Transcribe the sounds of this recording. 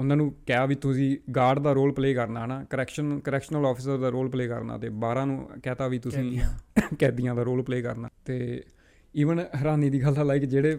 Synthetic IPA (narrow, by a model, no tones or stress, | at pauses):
ʊnãːnũːkɛːaːʋiːt̪ʊsĩːɡaːɖd̪aːɾoːlpleːkəɾnaːɦɛnaːkəɾɛːkʃənkəɾɛːkʃnəlɔːpʰɪsəɾd̪aːɾoːlpleːkə̰ɾna̰ːt̪eːbaːɾãːnũːkɛːt̪aːʋiːt̪ʊsĩːkɛːd̪ɪjãːd̪aːɾoːlpleːkə̰ɾna̰ːt̪eː | iːʋənɦəɾaːniːd̪iːɡəlãːlaːɪkd͡ʒeːɽeː